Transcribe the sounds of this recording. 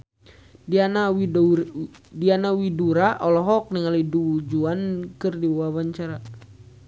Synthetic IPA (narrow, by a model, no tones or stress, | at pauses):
ana | dianawiduɾaʔɔlɔɦɔk̚niŋalidud͡ʒuankɨrdibuwawaɲt͡ʃaɾa